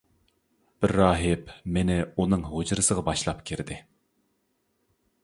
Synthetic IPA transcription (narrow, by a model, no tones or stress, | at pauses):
b̥ɪɾːɑːɦɪpmenɪunɨŋɦod͡ʒɾɨsəʁɑbɑʃlˠɑpkʲʰiɾd̪ɪ